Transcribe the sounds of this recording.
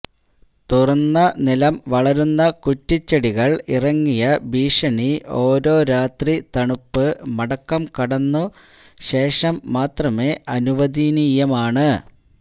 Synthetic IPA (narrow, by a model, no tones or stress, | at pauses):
t̪urɐnːɐnilɐmʋɐɭɐɾunːɐkutːit͡ɕːɐɽiɣɐɭirɐŋːijɐbiːʂɐɳio̞ːɾo̞ːɾaːt̪rit̪ɐɳupːɨmɐɽɐkːɐmkɐɽɐnːu | ɕe̞ːʂɐmːaːt̪rɐme̞ːʔɐnuʋɐd̪iːnijɐmaːɳɨ